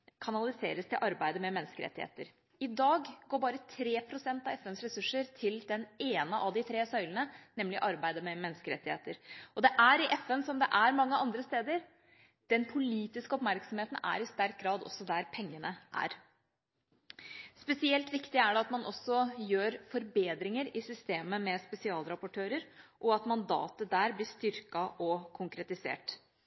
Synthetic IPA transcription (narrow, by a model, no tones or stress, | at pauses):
kʰɑnɑlɪsḛːɾəst̪ʰɪlʔɑɾbæɪd̪əmɛmɛnːskəɾɛ̰t̪ːɪhḛːt̪əɾ | ɪd̪ɑːɡɡoːɾbɑːɾət̪ʰɾeːpʰɾʊsɛnt̪ɑʋɛfɛnsɾɛsʉʂːəɾt̪ʰɪld̪ɛneːnəʔɑʋd̪ɪt̪ʰɾeːsœʏlənənɛmːlɪ̰ʔɑɾbæɪd̪əmɛmɛnːskəɾɛ̰t̪ːɪhḛːt̪əɾɔd̪ɛʔæɾɪʔɛfɛnsɔmd̪ɛʔæɾmɑŋːəɑnd̪ɾəst̪eːd̪əɾ | d̪̥ɛnpʰʊliːt̪ɪskəɔpmæɾksɔmheːt̪ən̩æ̰ɾɪst̪æɾk̚ɡɾɑːd̪ɔ̰sːɔd̪æɾpʰɛŋːənəʔæ̰ɾ | spɛsɪɛlt̪ʋɪkt̪ɪæɖɛɑt̪mɑnʔɔsːɔjøːɾfɔɾbeːd̪ɾɪŋəɾɪsʏst̪eːməmɛspɛsɪɑːlɾɑpʊʈʰøːɾəɾʔɔɑt̪mɑnd̪ɑ̰ːt̪əd̪æːɾblɪʂt̪ʏɾkɑʔɔkʰʊŋkɾɛt̪ɪsḛːʈ